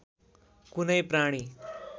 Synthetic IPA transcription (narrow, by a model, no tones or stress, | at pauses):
kunəjpɾaɽ̃iː